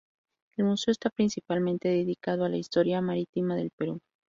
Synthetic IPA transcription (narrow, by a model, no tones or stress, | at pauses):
e̞lmuse̞oest̪apɾinsipalmẽnt̪e̞ðeðikað̞oalaist̪o̞ɾjamaɾit̪imaðe̞lpe̞ɾu